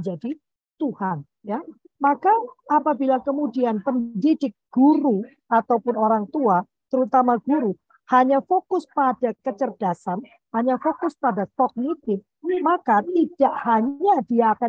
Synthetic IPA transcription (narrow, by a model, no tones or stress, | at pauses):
d͡ʒadi | t̪uhan | ja | makaːpabilakəmudianpəndidɪk̚ɡ̥uɾu | at̪awpʊnoɾaŋt̪ua | t̪əɾut̪amaɡ̥uɾu | haɲafokʊspad̥akət͡ʃərd̥asan | haɲafokʊspadastɔk̚nit̪ɪf | makat̪id̥aʔhaɲadiaːka